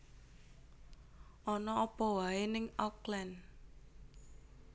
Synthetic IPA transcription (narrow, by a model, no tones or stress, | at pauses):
ʔɔnɔɔpɔwaenɪŋɔklɛn